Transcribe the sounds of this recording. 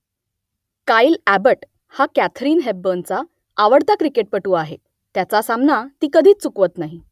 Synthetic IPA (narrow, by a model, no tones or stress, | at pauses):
kailæbəʈ | hakæt̪ʰɾiːnɦeb̚bənt͡saː | ʋəɽt̪akɾikeʈ̚pəʈuːaɦe | t̪jat͡sasamnat̪iːkəd̪ʱiːt͡st͡sukʋət̪naɦi